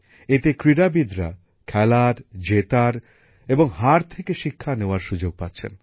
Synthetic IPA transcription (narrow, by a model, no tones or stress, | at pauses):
et̪ekɾiɾabid̪ɾa̰ | kʰɛlaɾd͡ʑet̪aɾ | eboŋɦaɾt̪ʰekeʃikʰːaneoaɾʃud͡ʑoɡ̚pat̪ːɕʰḛn